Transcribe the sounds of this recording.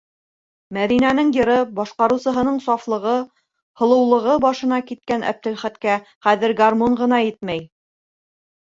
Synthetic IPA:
mæðinænɘŋjɤ̆ɾɤbɑʃqɑɾɤ̆wsɤ̆ɦɤ̆nɤɴsɑflˠɤ̆ʁɤ | hɤ̆lˠɤ̆wlˠɤ̆ʁɤbɑʃɤ̆nɑkit̪̚kænæ̰p̚t̪ɘ̆lχæt̪kæχæðɘɾɡarmoɴɢɤ̆nɑjɘt̪mæj

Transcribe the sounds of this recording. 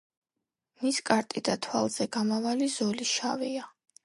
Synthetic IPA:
miskʼaɾt̪ʼid̪at̪ʰwa̰lˠz̥ɛɡ̥amavalizɔliʃavia

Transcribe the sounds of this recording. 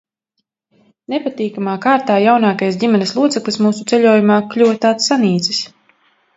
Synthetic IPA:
nepat̪iːkamaːkaːɾt̪aːjawnaːkajs̬ɟʲimɛnɪslˠuɔt̪sɛklˠismuːsut̪sɛʎʲuɔːjumaːklʲuwt̪aːt̪sːaniːt̪si̥s

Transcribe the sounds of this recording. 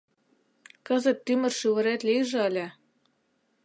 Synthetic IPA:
kɤzə̆t̪ːymɘ̆rʃyβɤ̆ɾet̪lʲiʒĕəlʲĕ

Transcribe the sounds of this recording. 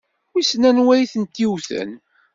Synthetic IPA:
isnænwæjθənt̪iwθə̰n

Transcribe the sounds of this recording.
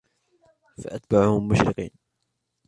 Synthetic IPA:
faʔat̪̚baʕʊhʊmːʊʃɾɪqḭːn

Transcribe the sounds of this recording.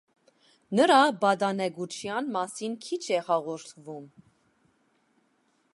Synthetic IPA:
nəɾɑbɑd̪ɑnɛɡut͡ʃʰjɑnmɑsinkʰit͡ʃʰɛhɑʁɔɾt̪ʰvum

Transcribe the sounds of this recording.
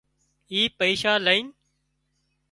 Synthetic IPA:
iːpəiːʃaːləiːn

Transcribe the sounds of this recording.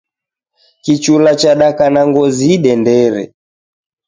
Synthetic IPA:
kit͡ʃulat͡ʃaɗakanaŋɡɔziɗɛndɛɾɛ̰

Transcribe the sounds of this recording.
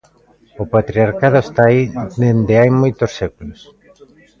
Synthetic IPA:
ʊpat̪ɾiaɾkaðʊest̪aid̪end̪eajmojt̪osːekulos

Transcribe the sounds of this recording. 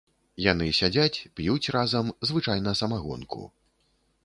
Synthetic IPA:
janɨsʲad͡zʲat͡sʲpjut͡sʲrazɐmzvɨt͡ʂajnɐsɐmaɣɔ̰nkʰṵ

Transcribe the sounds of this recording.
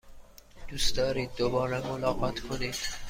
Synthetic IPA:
d̪̥usd̪ɒːɾiːd̪̚ːobɒːɾemolɒːɣɒːt̪ʰkʰoniːd̪̥

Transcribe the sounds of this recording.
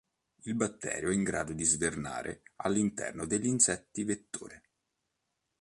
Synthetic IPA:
ilbat̪ːɛ̰ːɾjoɛiŋɡɾaːd̪od̪izverna̰ːɾʔḛalːint̪ɛ̰rnod̪eʎːinsɛt̪ːivet̪ːo̰ːɾe

